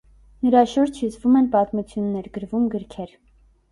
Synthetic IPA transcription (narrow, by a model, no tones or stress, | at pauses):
nəɾɑʃuɾt͡ʃʰjut͡sʰvumɛnpɑt̪mut͡sʰjunːɛɾɡəɾvumɡəɾkʰɛɾ